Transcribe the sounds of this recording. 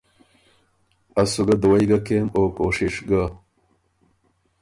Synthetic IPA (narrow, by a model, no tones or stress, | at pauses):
asuɡad̪uwajɡakemokoʂɪʂɡa